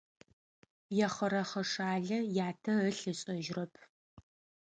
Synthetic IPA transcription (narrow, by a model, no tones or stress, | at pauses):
jɛχʷɐɾɐχɐʂaːɮɐjaːtʰɐəɬɨɕʼɐʒrɐpʰ